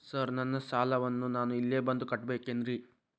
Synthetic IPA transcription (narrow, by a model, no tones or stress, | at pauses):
sɐɾnɐnːɐsaːlɐʋɐnːunaːnuilːeːbɐnd̪ukɐʈbe̞ːkend̪ɾi